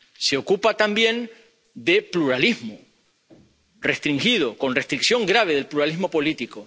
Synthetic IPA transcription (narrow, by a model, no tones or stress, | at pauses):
se̞o̞kupat̪ambjẽ̞n | d̪e̞pluɾaliɦmo | re̞st̪ɾiŋxið̞o̞ko̞nre̞st̪ɾiksjo̞ŋɡɾaβ̞e̞ð̞e̞lpluɾaliɦmo̞po̞lit̪iko